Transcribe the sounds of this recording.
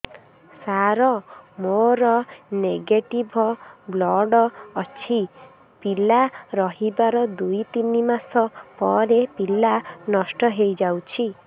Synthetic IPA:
saɾɔmoɾɔneɡeʈibʱɔblɔɖɔːt͡ʃʰi | pilaɾɔɦibaɾɔd̪ujt̪inimasɔpɔɾepilanɔsʈɔɦejd͡ʒawt͡ʃʰi

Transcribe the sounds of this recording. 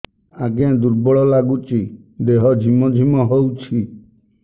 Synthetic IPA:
aɡẽd̪uɾbɔɭɔlaɡut͡ʃʰi | d̪eɦɔd͡ʒʱimɔd͡ʒʱimɔɦowt͡ʃʰi

